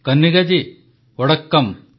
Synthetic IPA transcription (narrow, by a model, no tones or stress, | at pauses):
kɐnːiɡɐd͡ʑi | ɔɽɐkːɐm